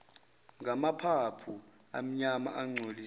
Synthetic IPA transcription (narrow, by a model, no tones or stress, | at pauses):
ŋɡʱamapʰapʰu | a̰m̩ɲama̰ʔaŋ͡ǀʱoli